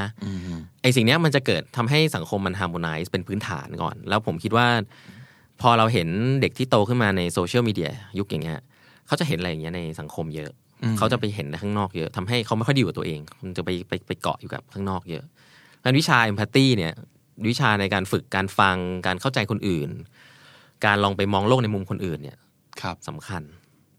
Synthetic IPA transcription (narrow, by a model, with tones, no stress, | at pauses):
a˦˥ʔa˨˩js̬i˨˩ŋni˦˥ɐma˧nt͡ɕa˨˩kɤː˨˩t̪ʰːa˧mɦa˥˩jsa˩˦ŋkʰo˧mːa˧nɦʰaː˧moː˧naː˧˥jspe˧npʰɯː˦˥nt̪ʰa̰ː˩˦nkɔ̰ː˨˩nlɛː˦˥wpʰo˩˦mkʰi˦˥t̪̚waː˥˩ | pʰɔː˧ɾa˧wɦe˩˦nde˨˩k̚t̪ʰiː˥˩t̪oː˧kʰɯ˥˩nmaː˧na˧jsoː˧t͡ɕʰi˥˩˨miː˧di˧ɐju˦˥k̚ja˨˩ŋːi˦˥ɐ | kʰa˦˥wt͡ɕa˨˩ɦe˨˩˦nʔa˧ja˨˩ŋː˦˥na˧jsa˩˦ŋkʰo˧mjɤ˦˥ʔ | kʰa˦˥wt͡ɕa˨˩p̬a˧jɦe˩˦nda˧kʰaː˥˩nɔː˥˩k̚jɤ˦˥ʔt̪ʰa˧mɦa˥˩jkʰa˦˥wma˥˩jxʰi˧˨˩t̪ːʔeː˧ŋʰo˧nt͡ɕa˨˩pa˧jpa˧jpa˧jkɔ̰˨˩ʔjuː˨˩ka̰˨˩p̚kʰaː˥˩ŋnɔː˥˩k̚jɤ̰˦˥ʔ | kaː˧nwi˦˥t͡ɕʰaː˧ʔe˧mpʰaː˧t̪iː˥˩ni˥˩ɐ | wi˦˥t͡ɕʰaː˧na˧jkaː˧nfɯ˨˩kːaː˧nfa˧ŋkaː˧nkʰa˥˩wt͡ɕa˧jkʰo˧nʔɯː˨˩n | kaː˧nlɔː˧ŋpa˧jmɔː˧ŋloː˥˩k̚na˧jmu˧mkʰo˧nʔɯː˨˩nːḭ˦˥˩ɐ˧ | sa˨˩˦mkʰa˧n